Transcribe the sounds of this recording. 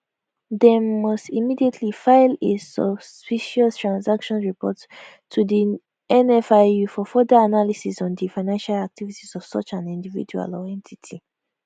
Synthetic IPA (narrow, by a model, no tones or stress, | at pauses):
demɔstimidietʰlifaɪlesɔ̰spiʃɔtʰɹãnsakʃɔ̃nɹipʰɔ̰tʰː | udi | ɛ̃nɛfajufɔfɔdəanalisisɔ̃ndifaɪnãnʃalak̚tivitisɔv̥sɔ̰t͡ʃãnĩndivḭd͡ʒua̰lɔɛ̃ntʰitʰi